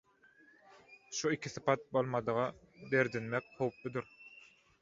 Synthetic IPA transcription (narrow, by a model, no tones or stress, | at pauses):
ʃuikʲʰiθɯpʰɑt̪̚bolˠmɑd̪ɯʁɑ | be̞ɾd̪inmek̚howplud̪uɾ